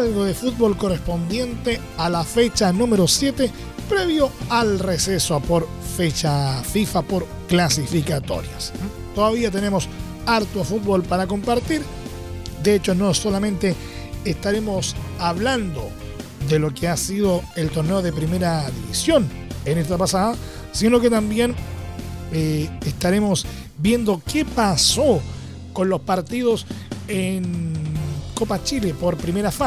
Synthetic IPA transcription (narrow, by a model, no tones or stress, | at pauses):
alɣoðefut̪̚βo̞lko̞respo̞nd̪je̞nt̪e | alafet͡ʃanũme̞ɾo̞sje̞t̪e | pɾe̞βjo̞alrese̞soapoɾ | fe̞t͡ʃafifapo̞ɾ | klas̬ifikat̪o̞̰ɾjas | t̪oðaβiat̪enemo̞s | aɾt̪oafut̪̚βo̞lpaɾako̞mpaɾt̪iɾ | d̪eet͡ʃo̞no̞so̞lamẽ̞nt̪e̞ː | st̪aɾe̞mo̞saβland̪o̞ | d̪elo̞keasið̞oelt̪o̞ɾneo̞ðe̞pɾime̞ɾaðiβisjo̞nenest̪apasaða | sino̞ket̪ambje̞n | eest̪aɾemo̞s | bje̞nd̪o̞kepaso | ko̞nlo̞spaɾt̪iðosen | ko̞pat͡ʃilepo̞ɾpɾimeɾafa